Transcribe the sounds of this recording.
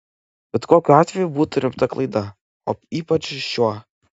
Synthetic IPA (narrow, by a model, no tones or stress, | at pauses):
b̥ʲɛt̪koːkʲʊɑːt̪ʲʋʲɛjubuːt̪ʊɾʲɪmpt̪ɐklˠɐɪd̪ɐ | o̰ːiːpɐt͡ʃjuɔ